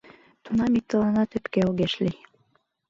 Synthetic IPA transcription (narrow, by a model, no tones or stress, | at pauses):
t̪unɑmik̚t̪ɤ̆lɑnɑt̪ɘ̆p̪keoɣeʃli